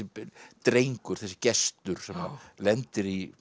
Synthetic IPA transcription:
ɪt̪ɾejŋkʏɾ̥θɛsːɪ̥cɛst̪ʏɾ̥sɛma̰lɛnt̪ɪɾi

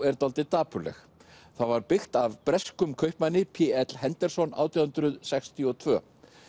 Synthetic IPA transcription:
ɛɾt̪alt̪ɪt̪aːpʏlɛ̰x | θavaɾpɪxt̪avpɾɛskʏmkʰœɥhpmanːɪpʰiɛt̪lhɛnt̪ɛɾ̥sɔna̰ːwt̪ʰiahʏnt̪ɾʏðsɛxst̪ʰiɔt̪ʰvœ̰ː

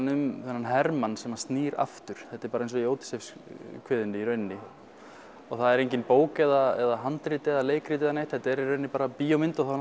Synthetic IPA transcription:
nʏmθɛnːanɦɛɾmansɛmast̪niːɾa̰ft̪ʏɾ̥θɛht̪ːɛɾpaːɾejns̬ɔjoːwt̪ɪ̥sefskʰvɪːðʏnɪiɾœɥnːɪ | ɔɣθaðɛɾejɲcɪnpoːwkɛðaɛ̰ðaɦant̪ɾɪːt̪ɪɛðaleːjkɾɪːt̪̬ɪɛðanejht̪hɛt̪aɛɾiɾœɥnːɪpaːɾapijomɪnt̪ɔɣθa

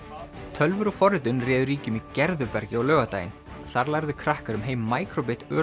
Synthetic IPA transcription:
t̪ʰœlvʏɾɔfɔɾɪt̪̬ʏnrɛːðʏɾiːcʏmicɛɾðʏpɛɾcɪawlœːɣat̪aːjɪ̰n | θaɾlajɾðʏkʰɾahkaɾʏmɦeːjmːaːjkɾop̬ɪt̪œː

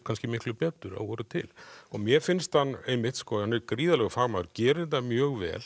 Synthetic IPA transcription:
kʰanscɪmɪhklʏpɛːt̪ʏɾa̰ɔɾʏt̪ʰɪ̰lɔɣmjɛɾfɪnst̪hanːejmːɪht̪skɔhanːɛɾkɾiːðalɛɣʏfaɣmaːðʏɾcɛːɾðɛt̪ːamjœːɣvɛ̰ːl

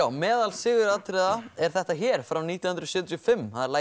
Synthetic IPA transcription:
aːwmɛːðalsɪːɣʏɾat̪ʰɾɛðaɛɾ̥θɛht̪açɛːɾ̥fɾawniːt̪jhʏnɾsʏːt̪jɔfɪmːhaðɛɾlaː

